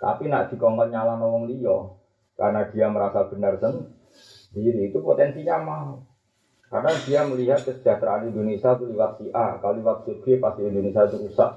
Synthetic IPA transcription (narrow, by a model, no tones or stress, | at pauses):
t̪a̰pinaʔd̪̥i̤kɔŋkɔnɲalanɔlɔŋdijɔ | ka̰ɾənadiaməɾasab̥ənərsən | diɾiːt̪upo̰t̪ɛnsiɲamao | ka̰rənadiaməliɦat̪̚kəsə̥d͡ʒ̥at̪ɾaːliindonisat̪uliwat̪̚siʔakaloliwat̪̚sub̥epast̪iind̪onisiat̪uɾusa̰ʔ